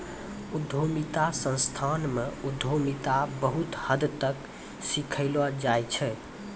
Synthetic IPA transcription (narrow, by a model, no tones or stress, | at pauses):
ud̪ʱomit̪asə̃nst̪ʰanmeud̪ʱomit̪abəɦut̪həd̪t̪ək | sikʰəɪlad͡ʒajt͡ʃʰɛ